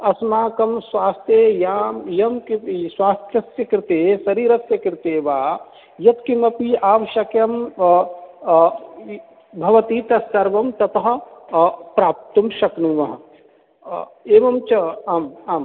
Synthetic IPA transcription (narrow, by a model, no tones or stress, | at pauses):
ɐsmaːkɐmswaːst̪ʰjejaːmjɐmkiswaːst̪ʰjɐsjɐkɾɪt̪eːsɐɾiːɾɐsjɐkɾt̪eːʋaː | jɐt̪kimɐpiːaːʋɐʃɐkjɐm | bʱɐʋɐt̪iːt̪ɐsɐɾʋɐmt̪ɐt̪ɐɦɐ̆ | pɾaːp̚t̪ɐmʃɐknuʋɐɦɐ | eːʋɐmt͡ʃɐɐmaːm